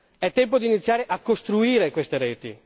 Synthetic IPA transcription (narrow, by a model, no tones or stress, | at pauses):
ɛt̪ːɛmpod̪init̪sjaːɾeʔakːost̪ɾuiːɾekwest̪eɾeːt̪ḭ